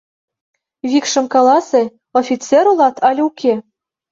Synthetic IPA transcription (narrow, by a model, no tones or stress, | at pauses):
βʲikʃɤ̆mkɑlˠɑse | ofʲit͡seɾolˠɑt̪ʰɑlʲukʲʰe